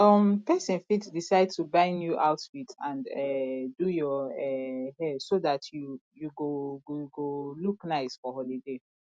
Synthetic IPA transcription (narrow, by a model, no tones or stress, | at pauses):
ɔmpɛsɛ̃nfitdisaɪd̚tubãɪ̃njuʔaʊtwitãnɛdujɔɛhɛdsoðatʰjujuɡoɡɡoluknaɪsfɔhɔlide